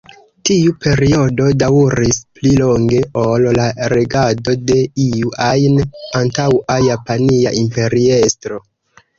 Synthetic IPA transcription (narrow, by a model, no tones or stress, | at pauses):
tiupe̞ɾio̞do̞dauɾisplilo̞ŋɡe̞ʔollaɾe̞ɡado̞de̞iuʔajnantawajapaniaʔimpe̞ɾie̞stɾo̞